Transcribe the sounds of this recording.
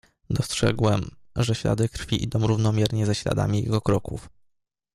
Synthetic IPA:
d̪ɔstʂɛ̰ɡwɛmʐɛɕlʲa̰d̪ɘkɾfʲiʔḭd̪ɔ̃w̃ɾuvnɔmʲjɛɾɲɛzɛɕlʲa̰d̪a̰mʲijɛ̰ɡɔkɾɔkuf

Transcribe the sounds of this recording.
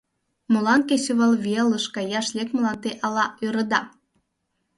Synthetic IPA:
molɑnkesøβɑlveləʃkɑjɑʃlʲekmlɑnt̪eʔɑlɑøɾə̆d̪ɑ

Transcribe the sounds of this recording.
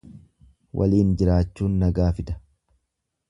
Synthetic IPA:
wʔɐ̰liːnd͡ʒɪɾaːt͡ʃːuːnːɐɡaːfɪd̪ɐ̥

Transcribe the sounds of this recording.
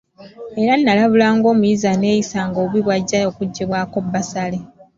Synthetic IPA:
eɾanːalaβulaːŋɡo̞ːmujizane̞ːjisaŋɡoβiβwaɟːaokuɟːiβwaːko̞bːasale

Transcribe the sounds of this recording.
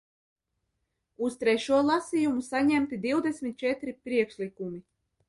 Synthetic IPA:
ust̪ɾɛʃuɔlˠasijumusaɲɛmt̪id̪iwd̪esʲmʲit̪̚t͡ʃɛt̪ɾipɾiɛkʃlikumi

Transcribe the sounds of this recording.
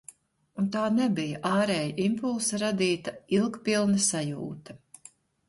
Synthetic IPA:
unt̪aːnɛbijaʔaːɾɛːjaʔimpulˠsɐɾad̪iːt̪ailˠkpilˠnɐsajuːt̪ɐ̥

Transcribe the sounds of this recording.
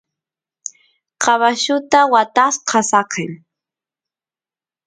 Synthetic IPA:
qɑβaʃʊt̪awat̪asqʰɑsɑqem

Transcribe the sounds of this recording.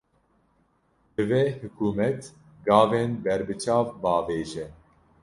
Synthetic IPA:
d̪ɨveːhɨkʰuːmɛt̪ | ɡɑːveːnbɛɾbɨt͡ʃʰɑːvbɑːveːʒɛ

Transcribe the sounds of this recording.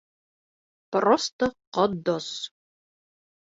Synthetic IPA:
prɔst̪ɔqɔd̪ɔs

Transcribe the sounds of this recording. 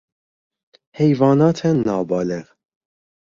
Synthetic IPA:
hɛjvɑnɑt̪ʰɛnːɑːbɑlɛʁ

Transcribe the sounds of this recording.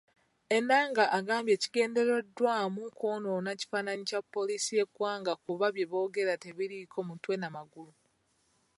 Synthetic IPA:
e̞nːaːŋɡaʔːɡaːmbje̞ːci̥ɡe̞ːnde̞ɾedwaːmukʰoːnonaci̥faːnaɲicapːo̞liːsije̞kwaːŋɡakuβaβje̞βo̞ːɡe̞ɾateβiɾikʰo̞mutwe̞namaɡulu

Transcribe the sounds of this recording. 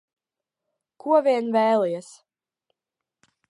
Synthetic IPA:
kuɔvʲiɛnvɛːlˠijɛs

